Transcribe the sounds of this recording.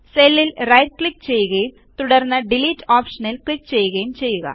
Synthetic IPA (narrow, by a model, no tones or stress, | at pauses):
selːilrɐjʈ̚kɭik̚ːt͡ɕe̞jːuɣɐjum | t̪uɽɐrnːɐɖiliːtːaːpʂɐnilklik̚ːt͡ɕe̞jːuɣɐjumt͡ɕe̞jːuɣɐ̰